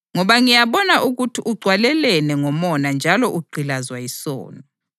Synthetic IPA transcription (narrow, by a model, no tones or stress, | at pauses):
ŋɔβaŋijaβɔnaʔuɣutʰiʔuɡ͡ǀʱwalɛlɛnɛŋɔmɔnand͡ʒʱalɔʔuɡ͡ǀʱilazwajisɔ̰ːnɔ